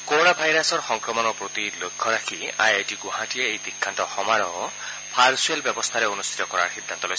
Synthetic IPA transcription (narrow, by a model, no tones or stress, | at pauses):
koɾonabʱajɾasɔɾxɔŋkɾɔmɔnɔpɾot̪ilokʰːɔɾakʰia̰jajtiɡuɦãʈieejd̪ikʰːantɔxɔmaɾɔɔ | pʰaɾsuelbjɔbɔst̪ʰaɾeonust̪ʰi̥t̪ɔkɔɾa̰ɹxid̪ːant̪ɔloj